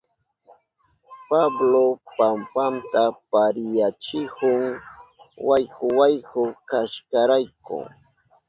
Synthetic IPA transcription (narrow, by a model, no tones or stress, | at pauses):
pablopampant̪apaɾɪjat͡ʃɪhʊŋ | wajkʊwajhʊkaʃkaɾajkʊ̰